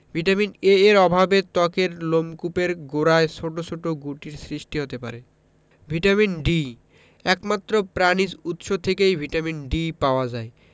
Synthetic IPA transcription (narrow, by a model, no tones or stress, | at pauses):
bʱiʈamineeɾɔbʱabet̪ɔkeɾlomkupeɾɡoɾaeʃʰoʈot͡ɕʰoʈoɡuʈiɾsɾiʃʈiɦot̪epa̰ɾe | bʱiʈaminɖi | ɛkmat̪ːɾopɾanid͡ʑut̪ʃot̪ʰekejbʱiʈaminɖipaoad͡ʑae